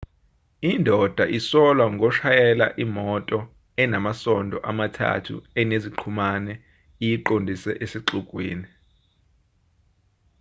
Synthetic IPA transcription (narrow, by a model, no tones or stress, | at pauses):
indʱɔd̥ʱaʔisɔlwaŋɡʱɔʃajɛla̰ʔimɔtʼɔ | ɛnamasɔndʱɔ̰ʔamatʰa̰tʰṵɛneziǃʰumanɛ | ijiǃondʱisɛ̰ʔesiǃukʼwḭːni